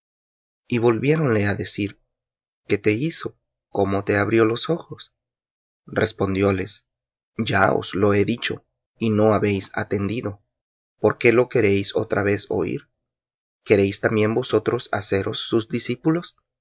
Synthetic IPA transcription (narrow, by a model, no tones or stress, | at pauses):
iβo̞lβje̞ɾo̞nle̞aðe̞siɾ | ke̞t̪e̞iso̞ | ko̞mo̞t̪e̞aβɾjo̞lo̞so̞xo̞s | re̞spo̞nd̪jo̞le̞s | d͡ʒao̰slo̞e̞ðit͡ʃo̞ | ino̞aβe̞jsa̰t̪e̞nd̪iðo̞ | poɾke̞lo̞ke̞ɾe̞jso̞̰t̪ɾaβe̞so̞̰ḭɾ | ke̞ɾe̞jst̪ambje̞nbo̞so̞t̪ɾo̞sa̰se̞ɾo̞sːuzd̪isipulo̞s